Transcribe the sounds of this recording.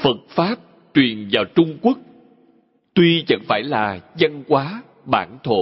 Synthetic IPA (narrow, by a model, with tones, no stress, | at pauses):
fə˨˩t̚faː˦˥p̚ | t͡ɕwi˨˩ənvaː˨˩wt͡ɕʊ˧ŋ͡mku˦˥ək̚ | t̪wi˧t͡ɕə̰˧˥ŋfaː˧˩jlaː˨˩zə˧nkwaː˨˦ | ɓaː˧˩nt̪ʰo̰˧˨